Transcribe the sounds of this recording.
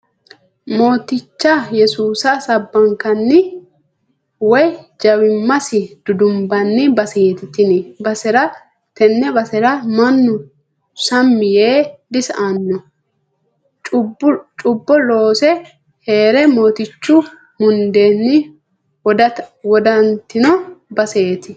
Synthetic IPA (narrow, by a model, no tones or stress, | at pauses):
moːt̪ɪt͡ʃːɐjɛsuːsɐsɐbːɐŋkɐnːɪ | wɔjd͡ʒɐwɪmːɐsɪd̪̥ʊd̪ʊmbɐnːɪbɐsɪt̪ɪt̪ɪnɛbɐsɛɾɐ | t̪ɛnːɛbɐsɛɾɐmɐnːʊ | sɐmːɪjeːd̪ɪsɐʔɐnːɔ | t͡ʃʼʊbːɔlo̞ːsɛ | he̞ːɾɛmo̞ːt̪ɪt͡ʃːʊ | mʊnd̪e̞ːnːɪ | d̪ɐwɔd̪ɐnt̪ɪnɔbɐse̞ːt̪ɪ